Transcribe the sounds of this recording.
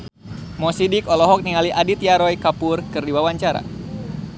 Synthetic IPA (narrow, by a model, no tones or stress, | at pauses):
mɔsidikɔlɔɦɔk̚niŋaliʔadit̪jaɾɔjkapʊrkɨrdiwawaɲt͡ʃaɾa̰